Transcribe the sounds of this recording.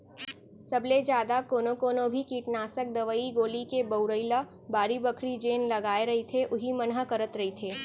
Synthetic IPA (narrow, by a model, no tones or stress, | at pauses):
sɐbled͡ʒjaːd̪akoːnokoːnobʱikiːʈnaːsək̚d̪ɐʋəiɡoːlikebəʊɾəɪla | baːɾibəkʰɾid͡ʒeːnlɐɡaːeɾɐɦit̪ʰeʔʊɦimənɦəkɐɾət̪ɾɐɦit̪ʰeː